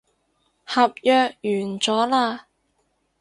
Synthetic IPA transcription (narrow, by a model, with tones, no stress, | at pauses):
hɐ˨p̚jœː˧k̚jyː˨˩nt͡sɔː˨˥laː˧